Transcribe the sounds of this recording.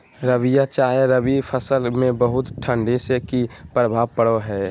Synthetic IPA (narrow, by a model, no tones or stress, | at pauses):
ɾəʋijat͡ʃaːeɾəʋipʰəsəlmẽbəɦʊt̪ʈʰə̃ɳɖisekipɾəbʱaːʋpəɽoɦɛː